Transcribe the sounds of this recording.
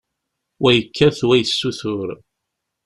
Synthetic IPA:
wæjəkːæθwæjəsːuθʊɾ

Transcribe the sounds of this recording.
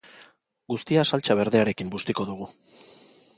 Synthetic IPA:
ɡust̪iasalt͡ʃaβe̞ɾðeaɾe̞kimbust̪iko̞ðuɣ̞u

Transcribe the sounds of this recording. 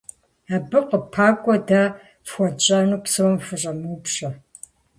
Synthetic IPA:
aːbɨqəpʰaːkʷʼɔda | fxʷɔt͡ʃʼanuːpsɐwɔmfɨɕʼɐmuːpɕɐ

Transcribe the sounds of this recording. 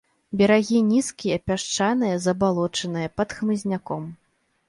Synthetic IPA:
bʲɛɾaɣʲinʲiskʲijɐpʲaʂt͡ʂanɨjɐzɐbalˠɔt͡ʂɐnɨjɐpɐt̪xmɨzʲnʲakɔm

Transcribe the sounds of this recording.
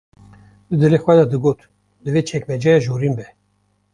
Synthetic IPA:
d̪̥ɨd̪ɨlexʷwɛd̪ɑd̪ɨɡoːt̪ | d̪ɨveːt͡ʃʰɛkmɛd͡ʒɑjɑʒoːɾinbɛ

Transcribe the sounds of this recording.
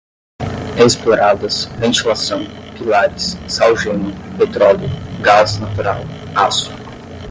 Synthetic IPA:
esploɾad̪ɐsvẽnt͡ʃilasɐ̃w̃pilaɾɪsːawʒẽnʊpet̪ɾɔljʊɡaznat̪uɾa̰w | asu

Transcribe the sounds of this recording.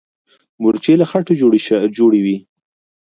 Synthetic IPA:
muɾt͡ʃelaxaʈod͡ʒoɽd͡ʒoɽewi

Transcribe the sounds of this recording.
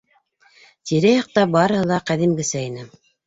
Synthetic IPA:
t̪iɾæjɑq̚t̪ɑbɑɾɤ̆hɤ̆lˠɑqæðimɡɘ̆sæinɘ

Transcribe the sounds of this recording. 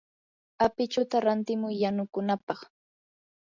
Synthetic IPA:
apɪt͡ʃʊt̪aɾant̪ɪmʊjːanʊkʊnapɑχ

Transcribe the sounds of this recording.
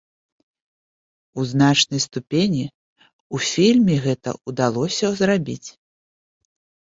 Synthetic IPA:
uzn̪at͡ʂnɐjst̪upʲenʲi | ufʲilʲmʲiɣɛt̪ɐ̰ud̪alˠɔsʲɐzrabʲit͡sʲ

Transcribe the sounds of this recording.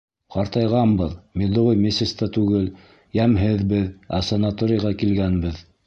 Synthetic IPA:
qɑɾt̪ɑjʁɑmbɤðmid̪oʁojmʲesʲest̪ɑt̪ʉɡɘl | jæmɦɘðbɘðæ̰sɐnat̪oɾʲɪjʁɑkilɡænbɘð

